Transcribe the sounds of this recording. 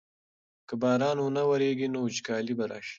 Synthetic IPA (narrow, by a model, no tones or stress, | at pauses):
kəbɑːɾɑːnwunawɐɾeɡinot͡ʃkɑːlibaɾɑ̰ːʃi̥